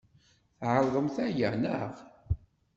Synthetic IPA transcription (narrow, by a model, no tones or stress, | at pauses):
θʕəɾˤðˤəmθæjænəʁ